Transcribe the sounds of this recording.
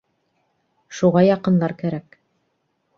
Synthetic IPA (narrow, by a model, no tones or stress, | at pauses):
ʃuʁɑjɑqɤ̆nlˠɑɾkæɾæk